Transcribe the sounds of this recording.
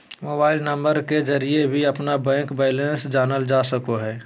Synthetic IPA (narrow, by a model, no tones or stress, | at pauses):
moːbaːɪlnə̃mbəɾked͡ʒɐɾiebʱiɐpnabɛ̃ːkbɛːɪlẽnsd͡ʒaːnəld͡ʒaːsəkoɦɛː